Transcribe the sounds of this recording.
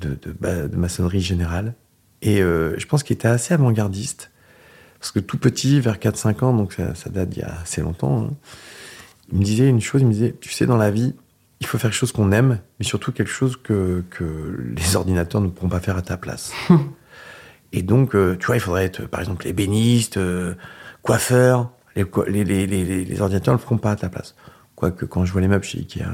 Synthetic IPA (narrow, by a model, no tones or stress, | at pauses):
d̪əd̪əbad̪əmasɔnʁiʒeneʁal | eøʒəpɑ̃skilet̪ɛaseavɑ̃ɡaʁd̪ist̪ | paʁ̥sə̥kət̪upət̪ʰivɛʁkat̪χsɛ̃kɑ̃d̪ɔ̃ksa̰sa̰d̪at̪̚d̪ḭja̰ːsɛlɔ̰̃t̪ɑ̰̃ɛ̰̃ | ilməd̪izɛynʃozilməd̪izɛt̪y̥sɛ̰d̪ɑ̃lavi | ilfofɛʁkʃozkɔ̃nɛmːɛsyʁt̪ukʲɛlkə̥ʃozkəkʰəlezɔʁd̪inat̪œʁnəpuʁɔ̃pafɛʁat̪apla̰s | ed̪ɔ̃køt̪ywailfod̪ʁɛɛt̪χə̰paʁɛɡzɑ̃plebenist̪ø | kwafœʁ | lekw̰lelelelelḛzɔʁd̪inat̪œʁnəfəʁɔ̃paːt̪apla̰s | kwakəkɑ̃ʒəvwalemœbʃḛḭkʲɛa̰